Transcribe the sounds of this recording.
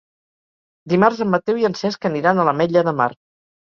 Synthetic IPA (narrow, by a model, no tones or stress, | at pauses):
d̪imarzəmːət̪ewiənsɛskəniɾanələmɛʎəðəma̰r